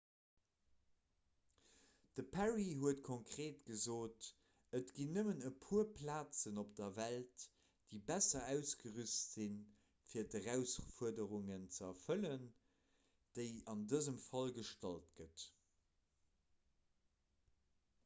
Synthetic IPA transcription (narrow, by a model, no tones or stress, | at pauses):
d̥əpʰæʁiɦuətkʰoŋkʁ̥eːtɡ̥əzoːt | ətɡ̥inːəmənəpʰuːɐpʰlaːt͡sənop̚d̥ɐvælt | d̥eɪbæsɐæʊsɡəʁystz̥in | fiːɐdəʁæʊsfuədəʁuŋənt͡səɐfələn | d̥eɪɑndəzəmfɑlɡəʃtɑltɡ̥ət